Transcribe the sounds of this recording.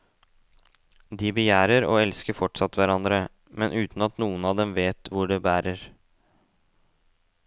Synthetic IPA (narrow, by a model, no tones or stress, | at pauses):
d̪ɪbəjæːɾəɾo̰ːɛlskəɾfɔʈsɑt̪ʋæɾɑnd̪ɾə | mɛnʔʉːt̪n̩ɑt̪nuːənɑːd̪ɛmʋeːt̪ʋʊɖɛbæːɾəɾ